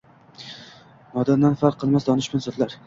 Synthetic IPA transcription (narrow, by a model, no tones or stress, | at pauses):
mɒd̪and̪anfaɾqʰːɨlˠmasd̪ɒnɪʃbʊnsɒt̪laɾ